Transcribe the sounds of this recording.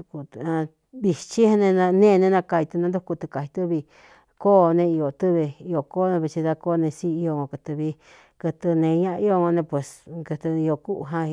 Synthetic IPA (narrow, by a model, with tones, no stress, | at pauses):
u˧ku˧ã˧ | βi˧t͡ʃi˦hnẽ˧nã˧nẽː˦˧nẽ˧nã˧ka˧i˧t̪u˧nã˧d̪u˦ku˧t̪ɨ˧ka˨hi˧t̪ɨ˦βi˧ | koː˦nẽ˧i˧jo˨t̪ɨ˦βe˧i˧o˨koː˦nẽ˧βi˧t͡ʃi˧ða˧ko˦˧nẽ˧si˦i˧o˧ŋõ˧kɨ˧t̪ɨ˧βi˧ | kɨ˧t̪ɨ˧nẽ˧ɲã˦ʔi˦o˧ŋõ˧nẽ˧pwe˨skɨ˧t̪ɨ˧i˧o˧ku˦ʔɦã˦˧